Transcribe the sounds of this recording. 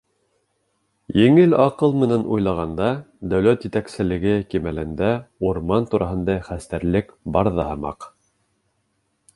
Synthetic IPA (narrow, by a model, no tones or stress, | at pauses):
jɘ̆ŋɘlɑqɤlˠmɘ̆nænṵjlˠɑʁɑnd̪ɑ | d̪æwlæt̪jɘ̆t̪æksɘ̆lɘ̆ɡɘkimælɘnd̪æuɾmɑnt̪uɾʔɑɦɤ̆nd̪ɑχæst̪æɾlɘkbɑɾðɑhɤ̆mɑ̰q